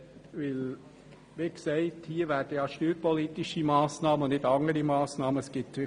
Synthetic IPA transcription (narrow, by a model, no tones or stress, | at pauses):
ʋɪl | ʋɪksɛɪthiːəɾʋæːɾd̥əjɑːʃtyːɾpɔliːt̪ɪʃimɑːsnɑːmənɪdɑŋəɾimɑːsnɑːməsɡ̥ɪt